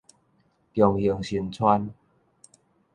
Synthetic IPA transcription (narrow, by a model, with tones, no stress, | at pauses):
t̪jɔ˨ŋi˨˩ŋɕi˧nt͡sʰwa˦n